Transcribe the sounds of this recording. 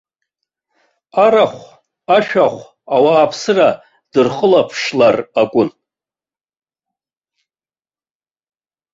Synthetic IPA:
aɾaχʷ | aʃᶣaχʷ | awaːpʰsɨra | d̥ɨrχəlapʰʂlarakʷʼʊn

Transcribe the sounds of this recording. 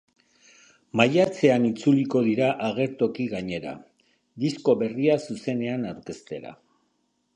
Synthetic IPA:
majat͡se̞anit͡suliko̞ð̞iɾaʔaɣ̞e̞ɾt̪o̞kiɣaɲe̞ɾa̰ | d̪isko̞βe̞riasuse̞ne̞anawɾke̞st̪e̞ɾa̰

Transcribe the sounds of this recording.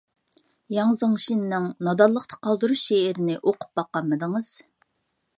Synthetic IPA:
jɑŋzəŋʃinnɪŋnɑd̪ɑlˠːəqt̪ʰɑ̥qʰɑlˠd̪uɾuʃeɪɾɪnɪʔoqu̥p̚bɑqːɑmːɨd̪ɨŋɨz̥

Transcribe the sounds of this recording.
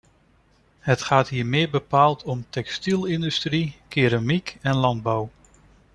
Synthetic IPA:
ɦətχaːtɦiːɹmɪːɹbəpaːlˠtʰɔmtɛkstilˠɪndystrikɪɾamikɛnlɑnd̚bɔw

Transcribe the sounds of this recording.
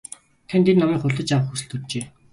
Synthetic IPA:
t̪ʰant̪ʰennɔmiːkχʊɮt̪ə̆t͡ɕawə̆χxusɘ̆ɮt̪urt͡ɕeː

